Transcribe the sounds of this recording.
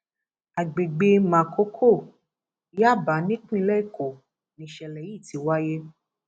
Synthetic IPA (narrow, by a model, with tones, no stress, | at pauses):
a˨ɡ͡be˨ɡ͡be˧mã˨kʰo˨˦kʰo˦˨ | ja˦˨ba˨˦nĩ˦k͡pĩ˦lɛ˦i˦˨ko˨ | nĩ˨ʃɛ˨lɛ˨ji˦˨ti˨˦wa˦je˦